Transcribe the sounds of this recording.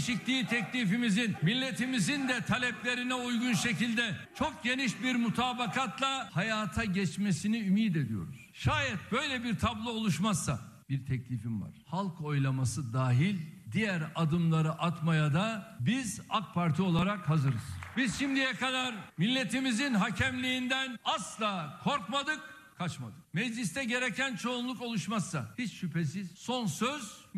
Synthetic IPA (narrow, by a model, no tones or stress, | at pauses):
ʃiclʲiːt̪ʰɛclʲifimizinmilʲːe̞t̪ʰimizind̪ɛt̪ʰalʲɛplʲe̞ɾinɛujɡunʃe̞cilʲd̪ɛt͡ʃʰo̞k̚ɟe̞niʃbiɾmut̪ʰaːbakʰat̪lˠahajaːt̪ʰaɟɛt͡ʃmesiniymiːd̪e̞d̪ijo̞̰ɾṵz̥ʃaːjɛt̪̚bø̞jlʲɛbiɾt̪ʰablˠoo̞lˠuʃmasːab̥iɾt̪ʰɛclʲifimva̰ɾ̥halˠkʰo̞jlˠamasɯd̪aːɦilʲd̪ijæɾad̪ɯmlˠaɾɯʔat̪majad̪abizak̚pʰaɾt̪ʰio̞lˠaɾakhazɯɾɯz̥biz̥ʃimd̪ijɛkʰad̪aɾmilʲːe̞t̪ʰimizinɦacʰɛmlʲiːnd̪ænaslˠaːkʰo̞ɾkmad̪ɯk̚ | kʰat͡ʃmad̪ɯk̚mɛd͡ʒlʲist̪ʰɛɟe̞ɾecʰænt͡ʃʰo̞unlˠuko̞lˠuʃmasːahit͡ʃʃypʰe̞s̬iz̥so̞nsøz